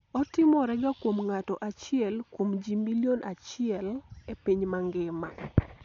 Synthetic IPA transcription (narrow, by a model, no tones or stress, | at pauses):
ɔtɪmɔɾɛɡakwomŋatɔʔat͡ʃɪɛlkwomd͡ʒimilijonʔat͡ʃɪɛlepiɲmaŋɡɪma